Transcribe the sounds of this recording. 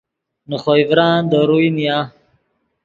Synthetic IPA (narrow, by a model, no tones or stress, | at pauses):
nuχojvɾaːnd̪əɾujnija